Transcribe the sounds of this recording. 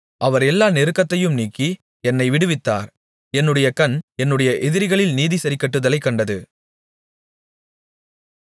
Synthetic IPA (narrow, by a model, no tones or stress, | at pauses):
ʔɐʋɐɾɛlːaːnɪɾɯkːɐt̪ːɐjɯmniːkːi | ɛnːɐɪʋɪɽɯʋɪt̪ːa̰ːɾ | ɛnːɯɽɐjɐkɐnɛnːɯɽɐjɐʔɛðɪɾɣɐɭɪlniːðisɐɾɪkːɐʈːɯðɐlɐɪkːɐɳɖɐðɯ